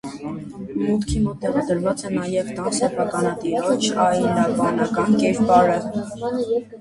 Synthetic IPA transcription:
mut̪kʰimɔt̪ːɛʁɑd̪əɾvɑt͡sɛnɑjɛvt̪ɑsɛpʰɑkɑnɑt̪iɾɔt͡ʃʰɑjnɑbɑnɑkɑnkɛɾpɑɾə

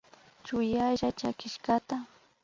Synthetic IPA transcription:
t͡ʃʊjaʒat͡ʃakɪʃkat̪a

